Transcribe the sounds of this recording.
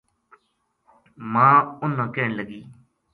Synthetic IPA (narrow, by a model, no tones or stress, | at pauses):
mãːʊnːãːkɛːɳləɡiː